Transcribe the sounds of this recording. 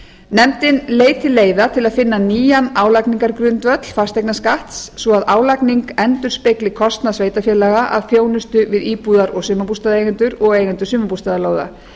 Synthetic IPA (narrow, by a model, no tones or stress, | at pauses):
nɛmt̪ɪnleːjt̪ʰɪlːeːjðat̪ʰɪlaðfɪnːaniːjanaːwlakniŋkaɾkɾʏnt̪vœt̪l̥fast̪ejknaskaht̪sːvɔaðaːwlakniŋkɛnt̪ʏɾ̥spejklɪkʰɔst̪naðsveːjt̪afjɛːlɛɣaʔa̰ðfjoːwnʏst̪ʏvɪðiːpuːðaɾɔɣsʏmapust̪aːðeːjɣɛnt̪ʏɾɔɣeːjɣɛnt̪ʏsʏːmapust̪aðaloːwða̰